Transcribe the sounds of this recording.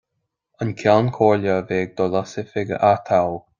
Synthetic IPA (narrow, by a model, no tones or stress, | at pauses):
ənkʰjankʰoːljəveːɡ̚d̪ɔlasɪfɪɡə̰ʔat̪ʰawl